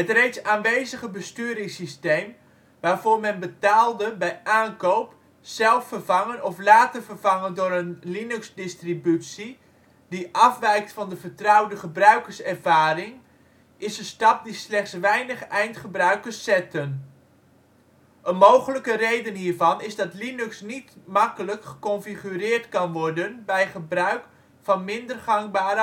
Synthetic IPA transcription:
ɦətrejtsaːnʋejzəχəbəstyːɾɪŋsistejm | ʋaːɹvʊːɹmɛnbətaːlˠdəbɛjʔaːnkowp | sɛlˠfərvɑŋənɔflaːtərvərvɑŋəndʊːɾənlinʉksdɪstribytsi | diʔɑfʋɛjk̚tfɑndəvəɹtrɑwdəχəbrœɥkəɹsɛrvaːrɪŋ | ɪsənstɑp̚dislɛχtsʋɛjnəχɛjntχəbrœɥkəsːɛtən | ʔənmowχələkərejdənɦiːɹvɑnɪzdɑtlinʉksnitmɑkələkχə̥kɔnfiχyrɪːrtkɑnʋɔɹdənbɛjχəbrœɥk | fɑnmɪndərχaŋbaːɾə

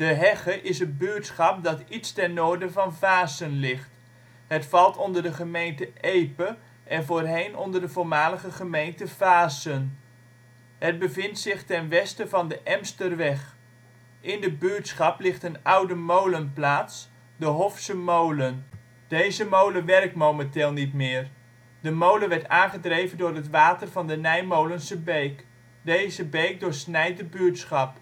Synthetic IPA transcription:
d̥əɦɛχəʔɪsənbyətsχɑp̚dɑtitstɛrnoːɹdəvɑnvaːsənlɪχt | ɦətfɑlˠtɔndəɹdəχəmejntəʔejpə | ʔɛnvoːrɦejnʔɔ̰ndəɹdəvʊːɹmaːləχəχəmejntəv̥aːsən | ɦəd̚bəvɪntsɪχtɛnʋɛstəvɑndəʔɛmstərʋɛχ | ʔɪndəbyɹtsχɑplɪχtənʌwdəmowlənplaːts | dəɦɔfsəmowlən | d̥ejzəmowləʋɛrk̚tmowmɛntɪːlˠnitmɪːr | dəmowləʋɛɹtaːnχədrejvəndʊːrɦətʋaːtərvɑndənɛjmowlənsəbejk | dejzəbejk̚dʊːɹsnɛjt̚dəbytsχɑp

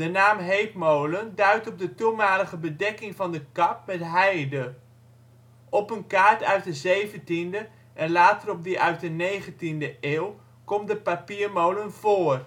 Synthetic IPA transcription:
d̥ənaːmɦejpmowləndœɥtɔb̚dətumaːləχəbədɛkɪŋvɑndəkɑp̚mɛtɦɛjdə | ɔpənkaːɹtœɥt̚dəzejvəntində | ʔɛnlaːtərɔb̚dəʔœɥt̚dənejχəntindəʔeːlˠ | kɔmdəpapiːɹmowlənv̥oːr

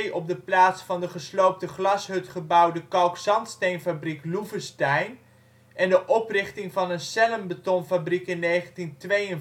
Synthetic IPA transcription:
ʔɔb̚dəplaːtsfɑndəχəslowp̚təχlɑsɦɵtχəbʌwdəkɑwksɑntstejnfabrikluvəstɛjn | ʔɛndəʔɔprɪχtɪŋvɑnənsɛləmbətɔnfabrikɪnːejχəntintʋejən

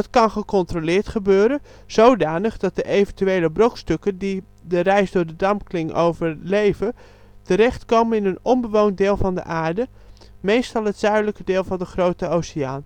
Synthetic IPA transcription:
tkɑnχəkɔntrolɪːɹtχəbøːɾən | z̥owdaːnəχdɑt̚dəʔejvəntyejləbrokstɵkəndi | dərɛjsdʊːɹdədɑmklɪŋʔo̰wvəɹlejvə | təɾɛχtkowmənɪnənɔmbəʋownt̚dɪːlˠvɑndə̰ʔaːɹdə | mejstɑlˠɦətz̥œɥdələkədɪːlˠvɑndəχrowtəowsiaːn

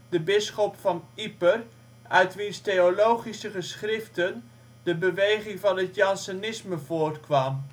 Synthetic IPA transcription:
dəbɪsχɔpfɑnipər | œɥtʋinstejolowχisəχəsχrɪftən | dəbəʋejχɪŋvɑnətjɑnsonɪsməvoːrtkʋɑm

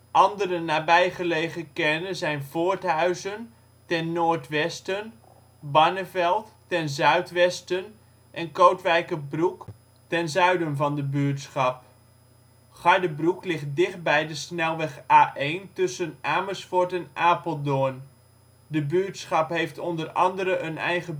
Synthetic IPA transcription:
ʔɑndərənaːbɛjχəlejχəkɛnəzɛjnvoːɹtɦœɥzən | tɛnːoːɹtʋɛstən | bɑnəvɛlˠtːɛnzœɥtʋɛstən | ʔɛnkowtʋɛjkəbruk | tɛnzœɥdənvɑndəbyːtsχɑp | χɑɹdəbruklɪχt̚dɪχt̚bɛjdəsnɛlˠʋɛχaːʔejntɵsənʔaːməsfʊɹtɛnʔaːpəlˠdon | dəbyːtsχɑpɦejftɔndərɑ̰ndəɾəʔənɛ̰jɣə

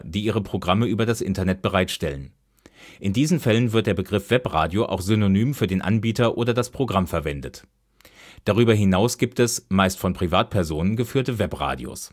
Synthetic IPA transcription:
d̥iːʔiːʁ̞əpʁ̥oɡʁaməʔyːbɐdasʔɪ̰ntɐnɛt̚b̥əʁaɪtʃtɛlən | ʔɪndiːzn̩fɛlənvɪɐt̚d̥eːɐbəɡʁɪfv̥ɛpʁa̰ːdjoʔa̰ʊxz̥ʏnonyːmfyːɐdeːnʔa̰nbiːtɐʔoːdɐdaspʁ̥oɡʁamfɛɐvɛndət | d̥aʁ̞yːbɐɦɪnaʊsɡ̥iːp̚tɛsmaɪstfɔnpʁ̥ivaːt̚pʰɛɐzoːnənɡəfyːɐtəvɛpʁa̰ːdj̰o̰s

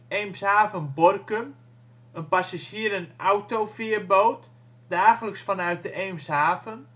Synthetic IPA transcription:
eːmsaːvənbɔrkəm | ənpasasiəɾənʔawtofɪərboːt | daːχələksfɔnœɥt̚dəʔeːmsɦaːvən

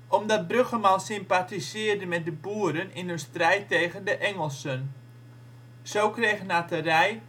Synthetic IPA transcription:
ʔɔmdɔt̚brøχəmansɪmpatizɪːrdəmɛt̚dəbuːəɾənɪnɦɵnstrɛjtːejɣəndəʔɛŋəlˠsən | zowkrejɣənatərɛj

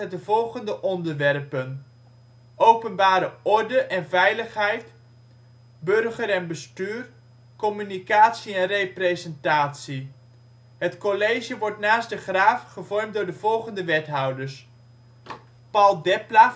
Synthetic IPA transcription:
ədəvɔlˠχəndəʔɔndəɹʋɛrpən | owpənbaːɾəɔɹdəʔɛnvɛjləχɦɛjt | bɵrχəɾɛnbəstyːr | kɔmynikaːtsiɛnrejprezɛntaːtsi | ɦətkɔlejʒəʋɔɹtnaːsdəχraːfχəvɔrmtdʊːɹdəvɔlˠχəndəʋɛtɦɑwdəɹs | pɑlˠdɛpla

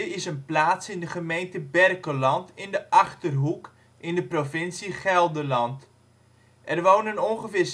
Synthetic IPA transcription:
ɪsənplaːtsɪndəχəmejntəbɛrkəlɑntɪndəʔɑχtərɦuk | ʔɪndəprofɪnsiχɛlˠdəlɑnt | ʔɛrʋownənɔŋχəfɪːr

